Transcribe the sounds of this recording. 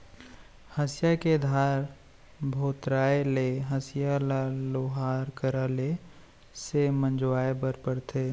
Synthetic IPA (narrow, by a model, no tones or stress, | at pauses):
həsɪjaked̪ʱaːɾ | bʱoːt̪ɾaːeleɦəsɪjalaloːɦaːɾkəɾaːle | semə̃nd͡ʒwaːebəɾpəɾt̪ʰeː